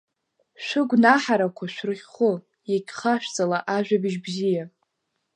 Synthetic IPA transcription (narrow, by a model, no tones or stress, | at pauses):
ʃʷʊɡʷnaħaɾakʷʰaʃʷᶣrɨʁʲχʊ | jaɡʲʼχaʃᶣt͡sʼalaʔaʒᶣabiʒbzija